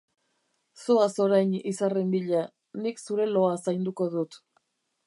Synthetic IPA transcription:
soaso̞ɾajnisarembiʎa | niksuɾe̞lo̞asajnd̪uko̞ðut̪

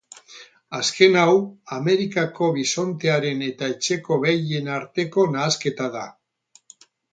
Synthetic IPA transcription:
aske̞nawame̞ɾikako̞βiso̞nt̪e̞aɾe̞ne̞t̪aet͡ʃe̞ko̞βeje̞naɾt̪e̞ko̞naːske̞t̪aða

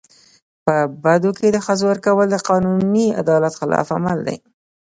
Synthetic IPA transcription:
pəbad̪oked̪əxəzowəɾkawəld̪əqɑnunia̰d̪ɑlat̪xɪlʔɑ̰fa̰mald̪a̰j

